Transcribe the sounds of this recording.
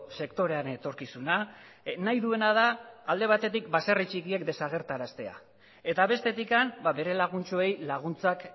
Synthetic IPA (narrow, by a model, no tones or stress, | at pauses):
se̞kt̪o̞ɾe̞anet̪o̞ɾkisunanajðue̞naðaːld̪e̞β̞at̪e̞t̪ik̚baserit͡ʃikie̞kd̪e̞saɣ̞e̞ɾt̪aɾast̪e̞a̰ | e̞t̪aβe̞st̪e̞t̪ikambaβe̞ɾe̞laɣ̞unt͡ʃoe̞jlaɣ̞unt͡sak